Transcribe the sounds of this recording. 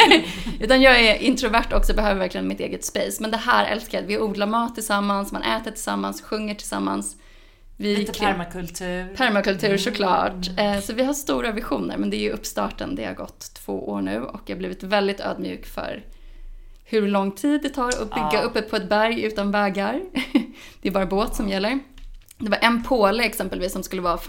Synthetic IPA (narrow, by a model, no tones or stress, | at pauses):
ʉ̟ːt̪anjɑːɡɛɾʔɪnt̪ɾʊvæʈːɔksɔbɛɦœːvəɾvæɾklɪɡənmɪt̪ḛːɡət̪speːsmɛnd̪ɛɦæːɾɛ̰lskajd̪vɪuːd̪laɾmɑːt̪ʰːɪlsamːansmanʔɛːt̪əʈʰɪlsa̰mːa̰nsɧɵŋːəʈʰɪlsa̰mːa̰ns | vɪkʰmkɵlt̪ʰʉːpʰæɾmakɵlt̪ʰʉ̟ːɾʂɔkʰlɑ̰ːʈsɔvɪɦaʂt̪uːɾavɪɧuːnə̰ɾmɛnd̪ɛæjɵʔɵpːst̪ɑ̰ːʈə̰nd̪ɛ̰ha̰ɾɡɔt̪ʰːv̥o̰ːʔo̰ːɳʉ̟ːɔ̰kd̪habliːvɪt̪vɛld̪ɪt̪ø̰ːd̪mjʉ̰ːkfœ̰ɾ | hɵɾlɔŋːt̪ʰiːd̪ːɛt̪ʰɑːɾɔ̰bʏɡːaɵpːəpʰɔɛt̪̚bæɾjʉ̟ːt̪anvɛːɡaɾ | d̪̥ɛæɾbɑːɾaboːt̪sɔmjɛlːəɾ | d̪ɛvaɾʔɛnpʰoːləɛksɛmpəlviːsːɔmskɵlːəvɑː